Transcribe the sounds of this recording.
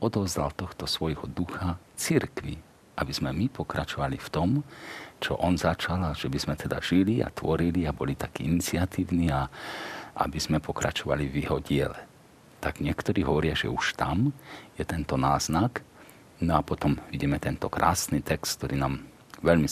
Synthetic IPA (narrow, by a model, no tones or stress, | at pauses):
ɔd̪ɔvzd̪a̰lt̪ɔxt̪ɔsʋɔjɦɔd̪uxa | t͡siɾkʋḭ | ʔabizmɛmipɔkɾat͡ʃɔʋalift̪ɔmt͡ʃɔ̰ʔɔnzat͡ʃalaʒ̥ɛbizmɛt̪ʰɛd̪a̰ʒ̥iliʔa̰t̪ʋɔɾiliabɔlit̪akiːinit͡siat̪iːʊniːa | ʔa̰biz̥mɛpʰɔkɾat͡ʃɔʋa̰livjiɦɔɟɪɛlɛ | t̪aɡɲɪɛkt̪ɔɾiːɦɔʋɔɾɪaʒɛ̰uʃt̪amjɛt̪ɛnt̪ɔnaːznak | nɔapɔt̪ɔmʋiɟimɛt̪ɛnt̪ɔkɾʔa̰ːsniːt̪ɛkst̪k̚t̪ɔɾiːnaːm | ʋɛʎmi